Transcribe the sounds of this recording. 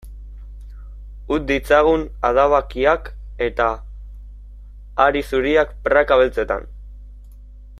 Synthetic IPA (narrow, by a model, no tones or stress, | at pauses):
ut̪̚d̪it͡saɣ̞una̰ðaβakiak | e̞t̪a | ɾisuɾiakpɾakaβelt͡se̞t̪a̰n